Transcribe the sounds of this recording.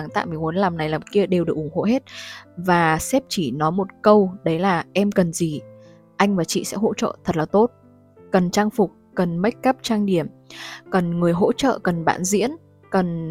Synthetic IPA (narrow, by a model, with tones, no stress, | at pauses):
ŋt̪a̰ː˧˨jmi˨˩mu˨˦ənlaː˨˩mna˨˩jlaː˨˩mki˧əɗe˨˩wɗɨ˨˩ək̚ʔʊ˧˩ŋ͡mŋho̰˧˨ɦe˦˥t̚vaː˨˩sɛ˦˥p̚t͡ɕi˧˩nɔ˨˦jmo˨˩t̚kə˧wɗə˨˦jlaː˨˩ʔɛ˧mkə˨˩nzi˨˩ | ʔa˧jŋ̟vaː˨˩t͡ɕḭ˧˨sɛ̰˧˥ɦo̰˧˥t͡ɕə̰ː˧˨t̪ʰə˨˩t̚laː˨˩t̪o˦˥t̚ | kə˨˩nt͡ɕaː˧ŋfʊ˨˩k͡p̚kə˨˩nma˦˥jk̟̚kə˦˥p̚t͡ɕaː˧ŋɗi˧˩əmkə˨˩nŋɨ˨˩əjɦo̰˧˥t͡ɕə̰ː˧˨kə˨˩nɓa̰ː˧˨nzḭ˧˥ən | kə˨˩n